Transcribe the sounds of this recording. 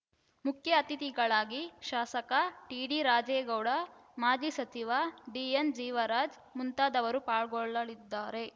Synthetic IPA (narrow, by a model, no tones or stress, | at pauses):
mukʰjɐːt̪it̪iɡɐɭaːɡiʃaːsɐkɐʈiːɖiɾaːd͡ʒeːɡɐwɽɐmaːd͡ʒisɐt͡ʃiʋaɖiːend͡ʒiːʋɐɾaːd͡ʒ | munt̪aːd̪ɐʋɐɾupaːɭɡɔɭɐɭid̪ːaːɾe̞